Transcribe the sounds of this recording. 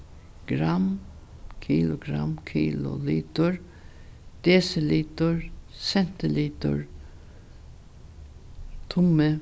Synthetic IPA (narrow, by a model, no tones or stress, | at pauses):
ɡ̥ɾam | kʰiːlʊɡɾa̰mkʰiːlʊ̰liːt̪ʊɹ | d̪̥eːsɪliːt̪ʊɹsɛn̥t̪ɪliːt̪ʊ̰ɹ | t̪ʰʊmə